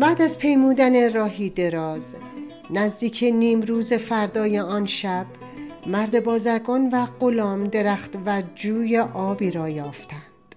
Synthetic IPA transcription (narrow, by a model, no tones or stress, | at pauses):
bæːd̪æzpʰe̞jmuːd̪æne̞ɾɒːɦiːd̪e̞ɾɒːz | næzd̪iːcʰeniːmɾuːze̞fæɾd̪ɒːjeɒːnʃæb̥ | mæɾd̪e̞bɒːzæɾɡɒːnvæɢolɒːmd̪e̞ɾæːxt̪væd͡ʒuːjeʔɒːbiːɾɒːjɒːft̪ʰænd̪̥